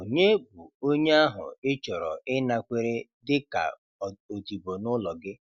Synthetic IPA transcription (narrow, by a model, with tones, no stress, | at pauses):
o˨ɲe˦bu˨o˦ɲe˦a˦ɦʊ̰˨ɪ˦t͡ʃɔ˨ɾɔ˨ʔɪ˦na˨kʷe˨ɾe˦dɪ˦ka̰˨ | o˨ti˨bo˨nʊ˦lɔ˨ɡɪ˦